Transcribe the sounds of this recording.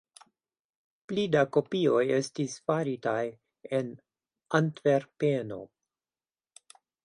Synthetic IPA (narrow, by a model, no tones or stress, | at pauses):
plidako̞pio̞je̞stisfaɾitaj | e̞n | antve̞ɾpeno̞̰